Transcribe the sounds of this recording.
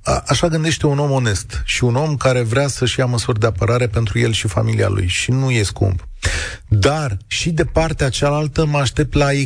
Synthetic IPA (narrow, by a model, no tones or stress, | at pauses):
ʔaʃaɡɨnd̪e̞ʃt̪e̞uno̞mo̞ne̞st̪ʃiuno̞mkaɾe̞vɾeasəʃjaməsurʲd̪e̞apəɾaɾe̞pe̞nt̪ɾuje̞lʃifa̰milia̰lṵjʃinuje̞skṵmb | d̪arʃid̪e̞part̪eat͡ʃalalt̪əməaʃt̪e̞p̚t̪lae